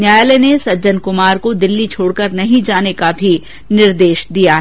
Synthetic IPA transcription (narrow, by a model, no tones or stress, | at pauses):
njaːjlɛnesɐd͡ʒənkʊmaːɾkod̪ɪlːit͡ʃʰoːɽkəɾnɐɦĩd͡ʒaːnekabʱi | nɪɾd̪eːʃd̪ijaɦ